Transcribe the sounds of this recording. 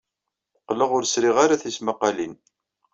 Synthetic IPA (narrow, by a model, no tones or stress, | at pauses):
qːləʁʊɾsɾɪʁaɾaθisməqːalin